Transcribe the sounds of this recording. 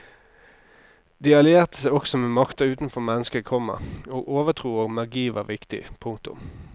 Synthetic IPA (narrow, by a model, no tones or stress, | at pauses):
d̪iːɑlɪeːʁt̪ʰəsæɪɔksɔmeːmɑkt̪əʉːt̪n̩fɔʁmɛnːəskəʁkʰɔmə̰oːɡoːʋət̪ʰʁuːoːɡmɑʁɡiːʋɑ̰ːʋɪkt̪ɪ̰pʰʊŋk̚t̪ʊ̰m